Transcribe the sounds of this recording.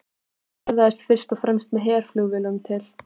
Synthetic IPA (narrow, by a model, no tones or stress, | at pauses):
ɛɾðaɛst̪fɪr̥st̪ɔfɾɛmst̪mɛðɦɛːɾ̥flʏɣvɪlʏʏmt̪ʰɪl